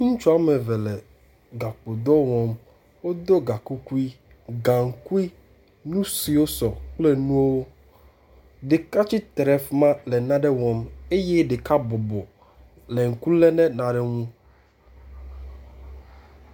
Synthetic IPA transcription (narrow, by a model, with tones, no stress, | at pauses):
ŋũ˦t͡ʃu˦a˦mɛ˨vɛ˨lɛ˨ | ɡa˨k͡po˨d̪ɔ˦wɔ̃˦m | wo˦d̪o˦ɡa˨ku˦ku˦i˦ | ɡã˨ŋ̩˨ku˦i˦ | nũ˦si˨wo˦sɔ˨k͡plɛ˦nũ˦o˦wo˦ | ɖe˨ka˦t͡ɕi˦t̪ɾɛ˨fmã˦lɛ˨nã˦ɖɛ˦wɔ̃˦me˦jɛ˦ɖe˨ka˦bɔ˨bɔ˨ | lɛ˨ŋ̩˨ku˦lɛ˦nɛ̃˦nã˨ɖɛ˦ŋũ˦